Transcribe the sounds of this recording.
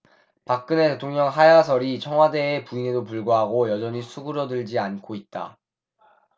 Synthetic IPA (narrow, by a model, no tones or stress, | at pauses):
pak̚k͈ɯne̞te̞tʰoŋɲʌŋɦajasʰʌɾit͡ɕʰʌŋɦwade̞ːpuinedopuɭɡwaɦaɡojʌd͡ʑʌɲisʰuɡɯɾʌdɯɭd͡ʑiankʰoit̚t͈a̰